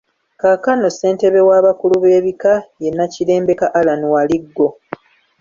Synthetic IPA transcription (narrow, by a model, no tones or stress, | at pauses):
kakano̞se̞ːnte̞βe̞waːβakuluβe̞ːβikaje̞nːacile̞ːmbe̞kaʔalanuwaliɡːo̞